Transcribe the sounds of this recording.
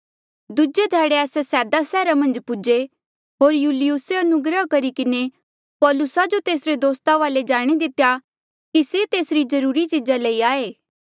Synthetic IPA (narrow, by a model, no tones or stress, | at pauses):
d̪ʊd͡ʒed̪ʱɛːɽeɛːsesɛːd̪asɛːɾamɐ̃nd͡ʒpʊd͡ʒe | ɦoːɾjuːlɪjʊseɐnʊɡɾəɦkɐɾikɪne | pɔːlʊsad͡ʒot̪eːsɾed̪oːst̪aʋaːled͡ʒaːɽ̃id̪ɪt̪eja | kiset̪eːsɾizɐɾuːɾit͡ʃid͡ʒalɐiaːeː